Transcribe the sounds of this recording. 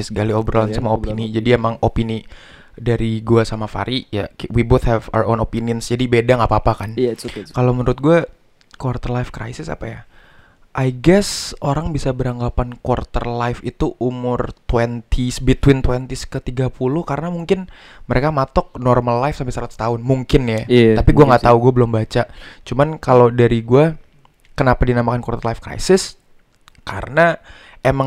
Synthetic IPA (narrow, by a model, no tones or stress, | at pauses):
sɡaliobəɾɔlnsamaopinid͡ʒadiemaŋopini | daɾiɡuasamafa̰ɾijawiboθhɛva̰wonopiniɔnsd͡ʒadibedaŋapaːpakankalomənɾʊt̪̚ɡua | kwart̪ərlajfkɾa̰jsɪsa̰paja | ʔajɡɛsoɾaŋbisabəɾaŋɡapankwart̪ərlajfit̪uʔumʊrt̪wɛnt̪ʰisbit̪wɪnt̪wɛnt̪iskət̪iɡapulʊhkaɾənamuŋkɪn | məɾekamat̪ɔk̚nɔrmallajfsampɪsaɾat̪t̪aʊnmuŋkɪnjaapiɡuaŋɡaʔt̪auɡuabəlʊmbat͡ʃat͡ʃumankalodaɾiɡua | kənapadinamakankwart̪ərlajfkɾa̰jsɪs | kʰaɾəna | emaŋ